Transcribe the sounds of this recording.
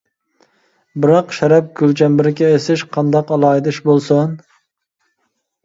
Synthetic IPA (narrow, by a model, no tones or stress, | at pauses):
bɪɾɑqʃɛɾɛp̚ɡ̥ʲylt͡ʃʰɛmbɪɾɪkʲʰɛesɪʃqʰɑnd̪ɑqɑlˠɑːjd̪ɪʃbolˠsɨn